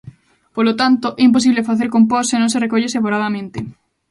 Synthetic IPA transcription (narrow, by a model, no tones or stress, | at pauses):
polot̪ant̪oʔɛimp̬os̬iβlefaθeɾkompɔsːenõŋserekoʎeseβoɾaðamẽnt̪ɪ